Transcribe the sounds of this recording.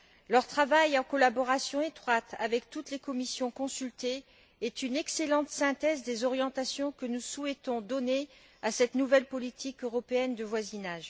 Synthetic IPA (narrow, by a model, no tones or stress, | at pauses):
lœʁt̪χavajɑ̃kɔlabɔʁasjɔ̃et̪χwat̪avɛkt̪ut̪lekɔmisjɔ̃kɔ̃sylt̪e | ɛt̪ynɛkselɑ̃t̪sɛ̃t̪ɛzd̪ezɔʁjɑ̃t̪asjɔ̃kənusuɛt̪ɔ̃d̪ɔne | asɛt̪nuvɛlpɔlit̪ʰikøʁɔpeɛnd̪əvwazinaʒ